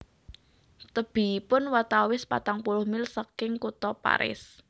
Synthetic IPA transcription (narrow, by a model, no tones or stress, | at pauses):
t̪əb̥i̤ipʊnwat̪awɪspa̰t̪aŋpulʊhmɪlsakɪŋkut̪ɔpa̰ɾɪ̰s